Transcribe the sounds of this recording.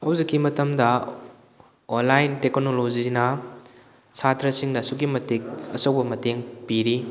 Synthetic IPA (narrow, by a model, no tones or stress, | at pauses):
hɐwzikːimɐtɐmdɐ | onlajnteknolozinɐ | satʰɾɐsiŋnɐsuɡimɐtek̚ɐsowbɐmɐteŋpiɾi